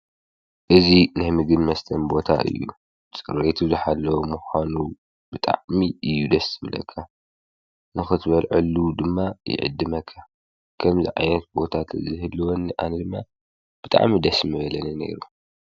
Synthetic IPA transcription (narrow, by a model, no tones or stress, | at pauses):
ʔɨzinɨhmɨɡɨnmɐst̪ʰɐnbo̞t̪ʰa̰ʔɨ̰jːṵ | t͡sʼɨɾwet̪ʰuzɨħalːɐwomuxʷanu | bɨt̪ʼa̰ʕmiʔɨjːud̪ɐsɨβɨlɐ̰kʰːa | nɨxɨt̪ʰbɐlʕɨlud̪ɨmːajɪ̰ʕɨ̰d̪ːɨmɐkʰːa | kʰɐmzḭʕa̰jnɐt̪̚bo̞t̪ʰat̪ʰzɨhɨlːɨwonːʔanɐd̪ɨmːa̰ | b̥ɨt̪ʼa̰ʕmid̪ɐsmɨβɐlɐnɐne̞̰ɾu